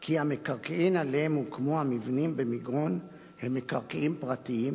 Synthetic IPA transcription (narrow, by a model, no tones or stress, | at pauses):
kiamekaʁkeʔimalemukmohamivnimbemiɡʁon | hemːekaʁkeʔimpʁatiim